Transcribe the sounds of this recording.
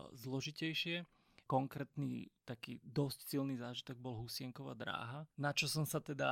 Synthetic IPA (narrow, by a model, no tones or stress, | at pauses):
zlɔʒicɛjʃɪɛ | kɔŋkɾɛːt̪nḭːt̪akḭːd̪ɔscsilniːzaːʒit̪ɔɡ̚bɔlɦusɪɛŋkɔʋa̰ːd̪ɾa̰ːɦanat͡ʃɔsɔmsat̪ɛd̪a̰